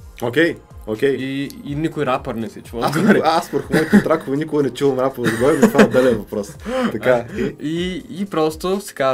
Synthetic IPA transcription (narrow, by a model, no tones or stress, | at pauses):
okʲɛj | okʲɛjiinikojɾapɐɾnɛsɛt͡ʃvoasɐasvɐɾxmɔjt̪t̪ɾakovˠɐnikʊɡɐnɛt͡ʃulˠɐmɾapoɾd̪ɡɔɾɛmt̪vad̪ɛlɛnvɐpɾɔst̪ɐkaiːpɾɔst̪osɛ̥ka